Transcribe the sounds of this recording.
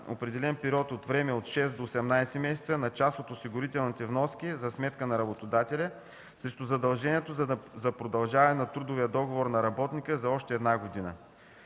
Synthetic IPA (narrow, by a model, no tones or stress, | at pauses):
o̰pɾɛd̪ɛlɛnpiɾʲɔt̪ot̪vɾɛmɛot̪ʃɛsd̪oːsɛmnajsɛmɛsɛ̥t̪sənɐt͡ʃasot̪osiɡʊɾit̪ɛlˠnit̪ɛvnɔskʲizɐsmɛt̪kənɐɾɐbot̪od̪at̪ɛlʲɐ | sɛʃt̪ozɐd̪ɐlˠʒɛniɛt̪ozzɐpɾod̪ɐlˠʒavɐɛnɐt̪ɾud̪ʊvijəd̪ɔɡovoɾnɐɾɐbɔt̪nikəzɐɔʃt̪ɛːd̪naɡod̪inə̰